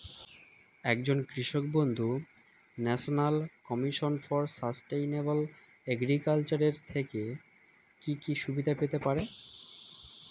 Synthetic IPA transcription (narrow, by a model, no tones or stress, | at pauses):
ɛkd͡ʑonkɾiʃok̚bond̪ʱu | nɛʃonalkɔmiʃonfɔɾsasʈejnebol | ɛɡɾikalt͡ɕaɾeɾt̪ʰeke | kikiʃubid̪ʱapet̪epaɾe